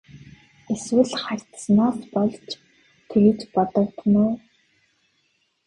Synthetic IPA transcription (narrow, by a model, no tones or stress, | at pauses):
eswɘ̆ɮχarʲt̪snɔːst̪pɔɮt͡ɕ | t̪ʰeɣɘ̆t͡ɕpɔt̪ɞ̆wt̪nʊː